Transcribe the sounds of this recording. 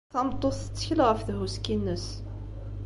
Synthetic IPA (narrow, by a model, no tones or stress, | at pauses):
θɑmt̪ˤːoθə̥t͡sːə̥çəlʁəfðɦuskinːəs